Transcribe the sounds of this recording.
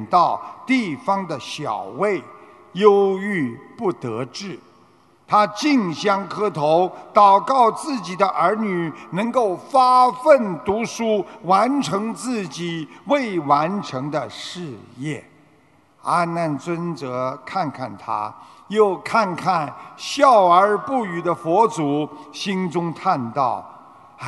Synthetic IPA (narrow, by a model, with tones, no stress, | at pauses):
nt̪ɑ˥˩ʊt̪i˥˩fɑ˥ŋd̪ə˨ɕjɑ̰˨˩ʊwe˥˩ɪ | jo˥ʊy˥˧pu˥˩t̪ɤ˧˥ʈ͡ʂɻ̩˥˩ | t̪ʰa˥t͡ɕi˥˩ŋɕjɑ˥ŋkʰɤ˥t̪ʰo˧˥ʊt̪ɑ˨˩ʊkɑ˥˩˧ʊt͡sɹ̩˥˩t͡ɕi˨˩d̪ə˦ʔə˞˧˥ny˨˩nɤ˧˥ŋko˥˩ʊfa˥fə˥˩nt̪u˧˥ʂu˥wa˧˥nʈ͡ʂʰɤ˧˥ŋt͡sɹ̩˥˩t͡ɕi˨˩we˥˩ɪwa˧˥nʈ͡ʂʰɤ˧˥ŋd̪ə˧ʂɻ̩˥˧jɛ̰˥˩ | a˥na˥˩nt͡swə˥nt͡sɤ˧˥kʰa˥˧nkʰa˥˩nt̪ʰa̰˥ | jo˥˩˧ʊkʰa˥˧nkʰa˥˩˧nɕjɑ˥˩ʊə˞˧˥pu˥˩y˨˩d̪ə˦fwɔ˧˥t͡su˨˩˦ɕi˥nʈ͡ʂʊ˥ŋt̪ʰa˥˧nt̪ɑ̰˥˩ʊ